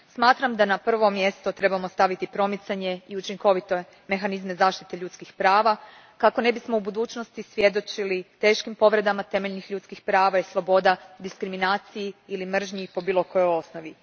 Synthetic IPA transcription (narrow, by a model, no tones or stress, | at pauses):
smaːt̪ɾamd̪anapr̩ʋo̞mːje̞st̪ot̪ɾe̞bamo̞st̪aʋit̪ipɾo̞mit̪saɲe̞iut͡ʃiŋko̞ʋit̪o̞ | me̞xanizme̞zaːʃt̪i̥t̪e̞ʎuːt̪skixpɾaːʋa | kako̞ne̞bismo̞ubud̪uːt͡ʃno̞st̪isʋje̞d̪o̞t͡ʃilit̪e̞ːʃkimpo̞ʋɾe̞d̪amat̪e̞me̞ʎnixʎuːt̪skixpɾaːʋaislˠo̞bo̞d̪ad̪iskɾiminaːt̪sijiilimr̩ʒɲipo̞biːlˠo̞ko̞jo̞jo̞sno̞ʋi